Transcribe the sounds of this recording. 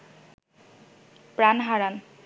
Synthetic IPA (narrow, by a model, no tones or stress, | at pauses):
pɾanɦaɾan